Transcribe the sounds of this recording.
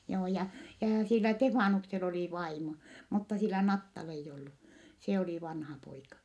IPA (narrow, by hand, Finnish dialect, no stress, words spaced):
joː jɑ jɑː silːæ tefɑːnuksel oliˑ ʋɑimo mutːɑ silːæ nɑtːɑl eij olːu se oliˑ ʋɑnhɑpoikɑ